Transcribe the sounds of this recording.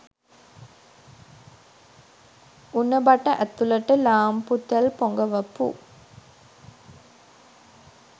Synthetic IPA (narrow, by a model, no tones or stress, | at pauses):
unːəbaʈəʔæt̪uləʈəlaːmput̪ːælpoŋɡəʋəpṵ